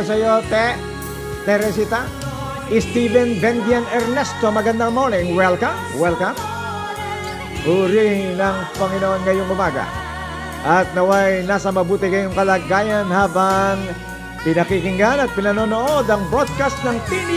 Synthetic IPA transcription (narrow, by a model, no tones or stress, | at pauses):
sɐjot̪ɛ | t̪ɛɾɛs̬it̪a | ʔɪst̪ivɛnbɛnd̪ianɛɾnɛst̪omɐɡɐnd̪aŋmoɾnɪŋwɛlkam | wɛlkam | huɾinɐŋpɐŋɪnoonŋɐjoŋʊmaɡa̰ | ʔɐt̪̚nɐwajnaːsɐmɐbuːt̪ɪkɐjoŋkɐlaːɡajanhaːbɐŋ | pɪnɐkikɪŋɡanɐt̪̚pɪnɐnonoʔod̪ɐŋbɾod̪̚kast̪nɐŋt̪in